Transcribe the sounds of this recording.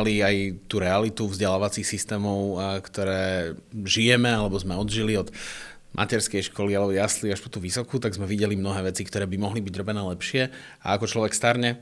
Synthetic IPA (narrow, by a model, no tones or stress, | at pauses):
liajt̪uɾɛalit̪uvzɟɛlaːʋat͡sixsist̪ɛːmɔʊkt̪ɔɾɛːʒijɛmɛalɛbɔzmɛɔd̪ʒiliɔd̪ | mʔa̰cɛɾskɛjʃkʰɔlialɛbɔjasliaʃpɔt̪uʋisɔkut̪aɡzmɛʋiɟɛlimnɔɦɛːʋɛt͡sikt̪ɔɾɛːbimɔɦlibiɟɾɔbɛnɛːlɛpʃɪɛ | a̰akɔt͡ʃlɔʋɛkst̪aɾɲɛ